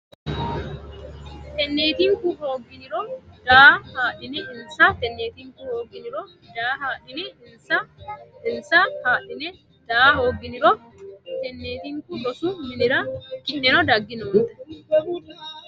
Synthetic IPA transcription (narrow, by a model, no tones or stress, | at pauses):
t̪ɛnːeːt̪iːŋkuho̞ːɡːɪnɪɾɔd̪̥aːhaːᶑɪnɛʔɪnsat̪ɛnːeːt̪iːŋkuhoːɡɪnɪɾɔ | d̪aːhaːᶑɪnɛɪnsɐɪnsahaːᶑɪnɛ | d̪̥aːho̞ːɡɪnɪɾɔ | t̪ɛnːeːt̪iːŋkʊɗɔsumɪnɪɾɐkɪʔɛnɔd̪ɐɡːɪnɔʊnt̪ɛ̥